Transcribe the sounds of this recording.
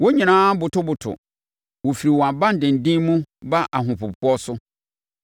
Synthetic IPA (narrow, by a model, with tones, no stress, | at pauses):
wo˦ɲĩ˨nãː˦bʊ˨tʊ˦bʊ˨tʰʊ̰˨ | wo˨fi˨ɾi˨wɔ˨a˨bã˦n̩˨dɪ̃˨n̩˨dĩ˦mũ˦ba˦ʔa˨ɦʊ̃˨pʰʊ˨ppʊ˦ɔ˦sʊ˦